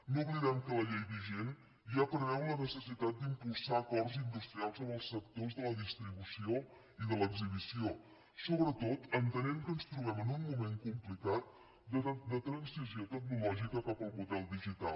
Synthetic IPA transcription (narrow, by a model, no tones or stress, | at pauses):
noɣliðɛmkələʎejβiʒen | ʒapɾənɛmlənəsəsit̪at̪̚d̪impulˠsaːkɔrzind̪ust̪ɾialˠzəməlˠsːək̚t̪ozðələðist̪ɾiβusio | iðələɡziβ̞isio | soβɾət̪ot̪ənt̪ənɛmkənst̪ɾuβɛmənunmumeŋkumplikat̪̚ | d̪əd̪ət̪ɾənsmiziot̪əknulɔʒikəkapəlˠmuðɛlˠd̪iʒit̪a̰l